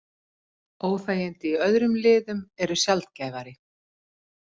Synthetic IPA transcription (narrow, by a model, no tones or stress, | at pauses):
oːwθaːjɪnt̪ɪiœðɾʏmlɪːðʏmɛɾʏsjalt̪̚caːjvaɾɪ